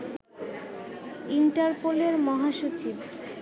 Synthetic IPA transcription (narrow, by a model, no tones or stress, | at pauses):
iɳʈaɾpoleɾmɔɦaʃot͡ɕib